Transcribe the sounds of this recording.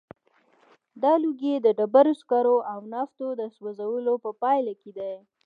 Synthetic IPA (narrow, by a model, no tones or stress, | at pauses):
d̪ɑluɡed̪əɖabaɾoskɑɾoʔawnɑst̪od̪əswazawəlopəpɑjlaked̪aj